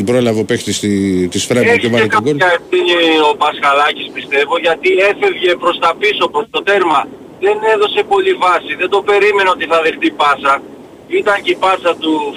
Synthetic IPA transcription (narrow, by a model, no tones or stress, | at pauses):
ibɾolɐvopekt̪isit̪isfɾɐeovɐekɐkonkɐefθiɲio̞pɐskɐlɐcispist̪e̞vo̞ʝɐt̪ie̞fe̞vʝe̞pɾo̞st̪ɐpiso̞pɾost̪o̞t̪e̞ɾmɐ | ðe̞ne̞ðo̞se̞po̞livɐsiðe̞nd̪o̞pe̞ɾime̞neo̞t̪iθɐðext̪ipɐsɐ | it̪ɐɲcepɐsɐt̪u